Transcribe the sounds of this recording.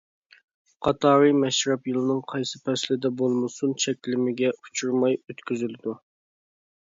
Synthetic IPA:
qʰɑt̪ɑːɾɨmɛʃɾɑpjɨlˠɨnɨŋqʰɑjsɨpʰɛslɪd̪ɛbolˠmɨsunt͡ʃʰɛkʲlɪmɪɡʲɛu̥t͡ʃʰuɾmɑjøt̪kʲyzylɪd̪u

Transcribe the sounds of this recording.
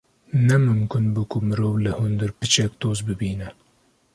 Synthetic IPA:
nɛmɨmkʊnbukʊmɨɾoːvlɨhʊnd̪ɨɾpɨt͡ʃɛk̚t̪oːzbɨbiːnɛ

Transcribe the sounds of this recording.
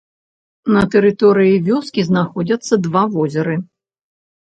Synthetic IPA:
nɐt̪ɛɾɨt̪ɔɾɨjivʲɔskʲiznaxɔd͡zʲɐt̪sːɐd̪vavɔzʲɛɾɨ

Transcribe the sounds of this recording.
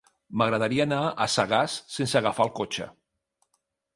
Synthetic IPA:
məɣɾəðəɾiəːnaəsaɣasːensəɣafalˠkot͡ʃə̰

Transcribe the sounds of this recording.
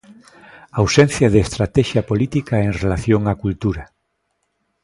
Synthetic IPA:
awsen̟θjɐðeːst̪ɾat̪ɛʃjapolit̪ikaeŋrelaθjoŋakult̪uɾa

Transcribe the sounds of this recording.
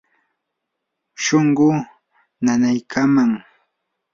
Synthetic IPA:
ʃoɴɢʊ | nanajkʰamaŋ

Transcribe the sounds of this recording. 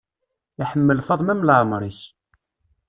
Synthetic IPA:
iħəmːəlfɑðˤmæmlʕəmɾˤis

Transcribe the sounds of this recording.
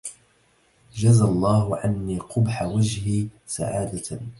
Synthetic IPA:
d͡ʒazalˤːɑːɦʊʕanːiːqʊbħawad͡ʒhiːsa̰ʕaːd̪a

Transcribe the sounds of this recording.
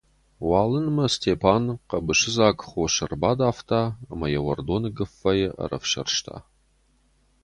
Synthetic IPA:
waːlɨnmɐstʰeːpʰaːnqɐbɨʃɪzaːkʼχʷoʃɐrbaːdaːftʰaːɐmɐjɛwɐrdonɡɨfɐjɛʔɐ̰rɐ̰fʃɐ̰rʃtʰa̰ː

